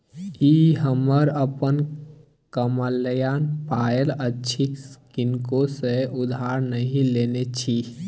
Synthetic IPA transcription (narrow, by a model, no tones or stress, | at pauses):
iɦəməɾəpən | kəməlːəjaːnpaːələtːt͡ʃʰikskɪnkõseʊd̪ʱaːɾnəɦĩleːnet͡ʃʰi